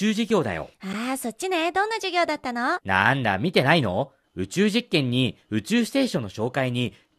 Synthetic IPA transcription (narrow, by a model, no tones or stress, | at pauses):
ɨːʑiɡʲo̞ːd̪a̰jo̰aːso̞tʲt͡ɕːined̪õ̞nːaʑiɡʲo̞ːd̪at̪ːanona̰nd̪a̰mʲit̪e̞naino̞̰ | ɯ̟t͡ɕɨːʑikːẽ̞ɲ̟ːiɯ̟t͡ɕɨːsɨ̥t̪e̞ːɕõ̞nːo̞ɕo̞ːkaiɲ̟i